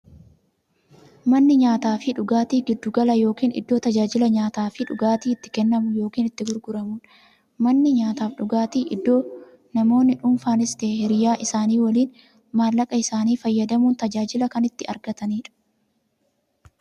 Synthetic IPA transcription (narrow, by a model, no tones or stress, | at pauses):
mɐnːɪɲaːt̪aːfɪᶑʊɡaːt̪iːɡɪd̪ːʊɡɐlɐjo̞ːkiːnɪ̰d̪ːo̞ːt̪ɐd͡ʒaːd͡ʒɪlɐɲaːt̪aːfɪᶑʊɡaːt̪iːɪt̪ːɪ̥kɛnːɐmʊjo̞ːkiːnɪt̪ːɪɡʊɾɡʊɾɐmuːn | mɐnːɪɲaːt̪aːfᶑʊɡaːt̪iːʔɪd̪ːo̞ː | nɐmo̞ːnːɪᶑʊmfaːnɪst̪eːhɛɾɪjaːʔɪsaːniːwɐliːn | maːlːɐkʼɐɪsaːniːfɐjːɐd̪ɐmuːnt̪ɐd͡ʒaːd͡ʒɪlɐkɐnɪt̪ːɪɐ̰ɾɡɐt̪ɐniːᶑɐ̥